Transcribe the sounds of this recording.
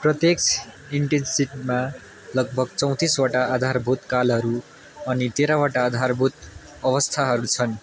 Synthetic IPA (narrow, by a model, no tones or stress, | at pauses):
prʌt̪jeksʰ | iɳʈensiʈima | lʌɡ̚bʱʌɡt͡sʌ̃w̃t̪iswaʈaːd̪ʱarbʱut̪kalɦʌɾu | ʌnit̪eɾawaʈaːd̪ʱarbʱut̪ | ʌβʌst̪ʰaɦʌɾut͡sʰʌn